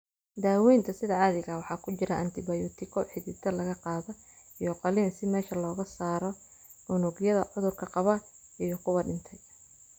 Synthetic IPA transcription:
d̪aːwɛjnt̪ʰɐsɪðɐaðɪɣɐwɑħɑːkʰʊt͡ʃɪɾɐʔɐnt̪ʰɪbɐjut̪ʰɪkʰɔħɪðɪt̪ʰɐlɐɣɐqɑːðɔ | ijɔqɑliːnsɪmɛːʃɐlɔːɣɐsaːɾɔ | ʊnɔɣjɐðɐʕʊðʊrkʰɐqɑβɐ | ijɔkʰʊwɐɖɪnt̪ʰɛj

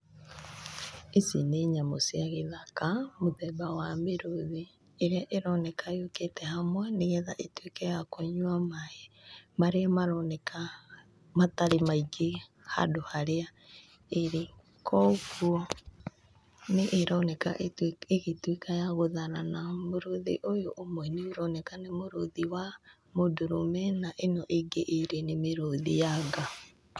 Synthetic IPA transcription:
esineɲamosiaɣeðakamoðɛbawameɾoðiː | ɾeaʔeɾɔnɛkʰajoketɛhamwɛneɣɛðaʔetwekɛjakoɲwamahemaɾeamaɾɔnɛka | mataɾemaiɡe | ha̰dohaɾea | eɾe | kʰɔːɣuɔ | neʔːɾɔnɛka̰ʔeɣetwikajaɣoðananamoɾoðḭʔojoʔːmwɛneoɾɔnɛkanemoɾoðiwa | modoɾomɛnaʔenɔʔeɡeʔeɾenemeɾoðijaːŋɡa

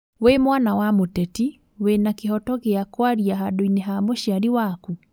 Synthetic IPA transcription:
wemwanawamotɛti | wenakehɔtɔkeakwaɾiaɦadoineɦamoʃiaɾiwaku

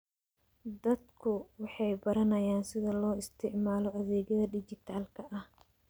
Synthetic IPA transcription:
d̪ɐd̪kʰʊwɑħɑjbɐɾɐnɐjaːnsɪðɐlɔːɪst̪ʰɪʕmaːlɔɐðɛːɣɐðɐɖɪt͡ʃɪt̪ʰaːlkʰɐʔɐh

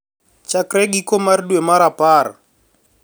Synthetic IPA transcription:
t͡ʃakrɛɡikʼɔmaɾidwɛmaɾapʼaːɾa̰

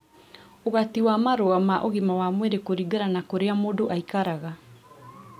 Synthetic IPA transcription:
oβatiwamaɾoamaʔoɣimawamweɾekoɾiɡaɾanakoɾeamodoʔaikaɾaɣa

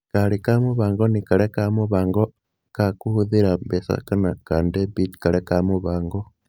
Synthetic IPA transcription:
kalikamuβaːŋɡonikalekamuβaːŋɡo | kakuhuðiɾabesa̰kanakandebitkalekamuβaːŋɡo

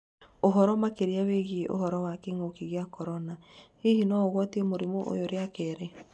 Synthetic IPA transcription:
oɦɔɾɔmakeɾeaweɣiʔo̰ɦɔɾɔwakeŋokiɣeakɔɾɔna | ehinɔɣwɔtiemoɾimoʔo̰joɾeakɛːɾe

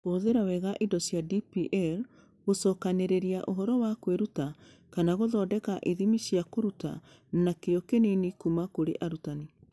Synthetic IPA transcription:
ɣoːðeɾawɛɣaʔidɔsjadipiʔɛɾ | ɣosɔːkaneɾeɾiaʔoɦɔɾɔwakweɾuta | kanaɣoðɔːdɛkaʔiðimiɕjakoɾuta̰ | nakeɔkenenikumakoɾeʔaɾutane

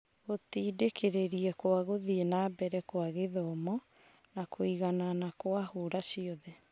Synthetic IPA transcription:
ɣotiːdekʰeɾeɾiɛkwaɣoðienaːbɛɾɛkwaɣeðɔmɔ | nakʰoiɣananakwahoɾasiɔðɛ

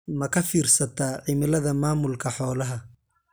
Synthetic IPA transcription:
mɐkʰɐfiːrsɐt̪ʰaːʕimɪlɐðɐmaːmʊlkʰɐħɔːlɐɦɐ

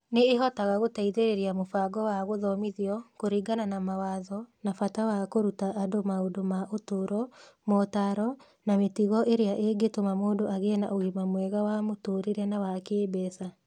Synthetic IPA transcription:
neːɦɔtaɣaɣotaiðeɾeɾeamofaɡɔwaɣoðɔmiðiɔkoɾiɡananamawaðɔnafatawakoɾutaʔːdomaodomaʔotoɾɔmotaɾɔ | nametiɣɔʔeɾeaʔeɡetomamoːdoʔaɣena̰ʔoɣimamwɛːɣawamotoɾiɾɛnawakeːbɛsa

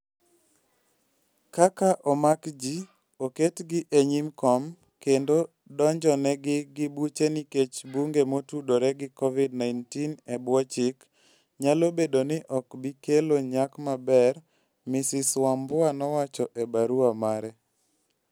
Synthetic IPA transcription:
kakaʔɔmakd͡ʒi | oketɡɪʔeɲimkɔm | kendo | dɔɲd͡ʒɔnɛɡɪɡɪbut͡ʃeniket͡ʃbuŋɡemotudoɾɛɡɪkɔvidnajntinɛbwɔt͡ʃɪk | ɲalobedonɪʔɔkbikeloɲakmabɛr | mɪsɪswambʊanɔwat͡ʃɔʔebaɾuamaɾɛ

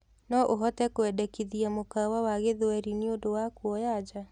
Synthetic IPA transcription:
nɔʔoɦɔtɛkoɛdɛkiðiamokawawaɣeðwɛɾineondowakwɔjad͡ʒa

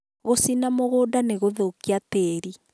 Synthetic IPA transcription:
ɣosinamoɣoːdaneɣoðokiateːɾi

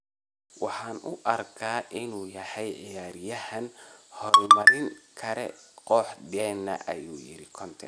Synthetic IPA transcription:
wɑħɑːnʊʔɐrkʰaːʔɪnuːjɐhɛjʕɪjaːɾjɐhɐnhɔrmɐɾɪŋkʰɐɾɛ̰qɔːħd̪ɛːnːɐ̰ʔɐjuːjɪ̰ɾɪkʰɔnt̪ʰɛ̰

